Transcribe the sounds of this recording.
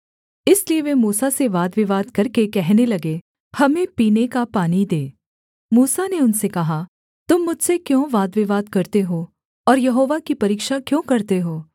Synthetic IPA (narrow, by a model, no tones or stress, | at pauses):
ɪslieʋemuːsaseʋaːd̪ʋɪʋaːd̪kɐɾkekɛɦnelɐɡe | hɐmẽpiːnekapaːnid̪eː | muːsaneʊnsekɐɦa | t̪ʊmːʊd͡ʒʱsekjõːʋaːd̪ʋɪʋaːd̪kɐɾt̪eɦoː | ɔːɾjɐɦoːʋakipɐɾiːkʃakjõːkɐɾt̪eɦoː